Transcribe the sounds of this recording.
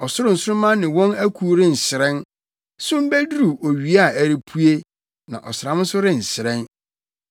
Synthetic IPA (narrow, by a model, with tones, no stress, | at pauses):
ɔ˨sʊ˦ɾʊ̃˦n̩˨sʊ˦ɾʊ˦mã˦nɪ̃˨wɔ̃˦næ˦kʰu˨˦ɾɪ̃˦n̩˨sɪ˨ɾɛ̃˦n | sʊ̃˦m̩˦bæ˦du˦ɾu˨ʔo˨ɥi˨a˦˨æ˨ɾi˨pʰu˦e˦ | nã̰˨ʔɔ˨sɪ˨ɾã˨˦mʊ̃˦sʊ˦ɾɪ̃˦˨n̩˨sɪ˨ɾɛ̃˦n